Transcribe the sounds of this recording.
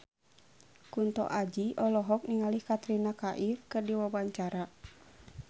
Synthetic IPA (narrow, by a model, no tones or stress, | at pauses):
kunt̪ɔ̰ʔad͡ʒiɔlɔɦɔk̚niŋalihkat̪ɾinakaʔirkɨrdiwabaɲt͡ʃaɾa